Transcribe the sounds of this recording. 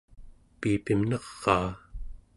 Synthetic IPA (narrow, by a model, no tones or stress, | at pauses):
piːpimnɑʁːɑː